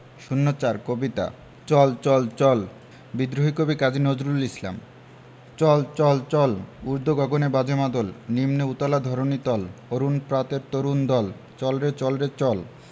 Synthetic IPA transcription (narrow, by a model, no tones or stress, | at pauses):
ʃunːot͡ɕaɾkobit̪a̰ | t͡ɕɔlt͡ɕɔlt͡ɕɔl | bid̪ɾoɦikobikad͡ʑinod͡ʑɾulisla̰m | t͡ɕɔlt͡ɕɔlt͡ɕɔluɾd̪ʱoɡɔɡonebad͡ʑemad̪olnimneut̪ɔlad̪ʱɔɾonit̪ɔloɾunpɾat̪eɾt̪oɾund̪ɔl | t͡ɕɔlɾet͡ɕɔlɾet͡ɕɔl